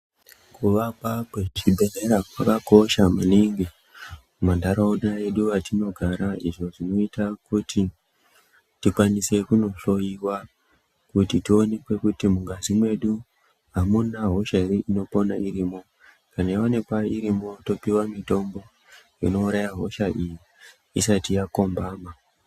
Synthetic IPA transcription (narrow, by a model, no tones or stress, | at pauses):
kuʋakakwet͡ʃibʱe̞reɾakwakako̞ʃamuniŋɡi | mandaɾauɗae̞ɗuʋatino̞ɡʱaɾaiʐo̞ʐino̞itakuti | tikwanise̞kuno̞ɬo̞jiwa | kutitio̞ne̞kwe̞kutimuŋɡazimwe̞ɗu | ɦamunaɦo̞ʃaiɾeino̞po̞naʔiɾiːmo̞ | kanajiwone̞kwaiɾimo̞to̞piwamito̞mbo̞ | ḭno̞uɾajaɦo̞ʃaʔijiː | satijako̞mbaːma